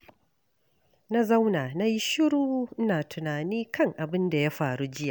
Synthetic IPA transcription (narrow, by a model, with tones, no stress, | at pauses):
na˦za˦wnaː˨na˦ji˦ʃɪ˦ɽuː˦ʔ̩˦naː˨tʰʊ˨naː˨niː˦kʰɐ˦ŋʔa˨bɪ˦nda˨ja˦ɸaː˨ɽu˦d͡ʒɪ˦jaː˨